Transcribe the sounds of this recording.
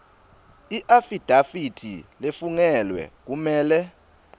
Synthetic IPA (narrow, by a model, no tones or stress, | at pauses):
iʔafid̥ʱafitʰḭlefuŋɛlwɛ̰k̬umɛːlɛ